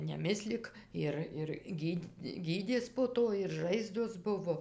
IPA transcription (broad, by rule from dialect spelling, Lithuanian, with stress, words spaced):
nʲɛˈmʲɪsʲlʲɪk ˈɪr ɪr ˈɡʲiːtʲ ˈɡʲiːdʲeːs poː ˈtoː ɪr ˈʒɐɪzdoːs ˈbʊʋoː